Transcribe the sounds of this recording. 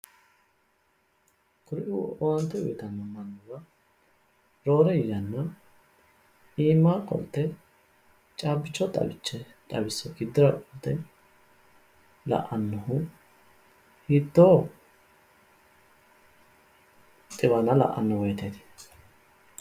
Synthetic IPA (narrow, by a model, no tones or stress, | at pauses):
kʊɾʔɪɔwɐnt̪ːɛʊ̰jɪt̪ɐnːɐmɐnːʊbɐ | ɾo̞ːɾɛɪjːɐnːɐ | iːmːaːkʼɔ̰lt̪ːɛ | t͡ʃʼaːbɪt͡ʃːɔt̪ʼɐ̰bɪt͡ʃːɛ | t̪ʼɐbɪsːɔɡɪd̪ːɪɾɐkʼɔlt̪ːɛ | lɐ̰ʔɐnːɐhʊ | hit̪ːo | t̪ʼːɪbɐnɐlɐ̰ʔːɐ̰nːɔwɔjt̪ɛd̪ɪ̥